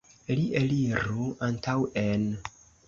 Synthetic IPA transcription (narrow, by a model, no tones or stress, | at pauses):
liʔeliɾuantʰawen